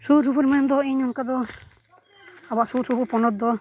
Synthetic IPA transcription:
susupɔɾmɛnd̪ɔiɲɔnkad̪ɔ | abaʔsuɾsupɔɾpɔnɔt̪̚d̪ɔ

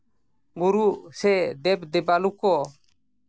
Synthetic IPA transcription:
buɾuʔsɛd̪ɛp̚d̪ɛbalukɔ

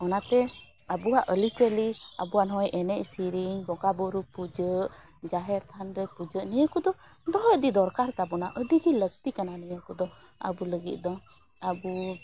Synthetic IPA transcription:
ɔnat̪ɛ | abuwaʔəlit͡ʃəliabuwanɦɔjʔɛnɛcsiɾiŋbɔɡabɔɾupud͡ʒəʔd͡ʒaɦɛɾt̪ʰanɾɛpud͡ʒəʔnijəkud̪ɔd̪ɔɦɔʔ̚d̪id̪ɔɾkaɾt̪abɔnaʔəɖiɡiləɡ̚t̪ikananijəkud̪ɔ | a̰buləɡit̪̚ˀd̪ɔ | abu

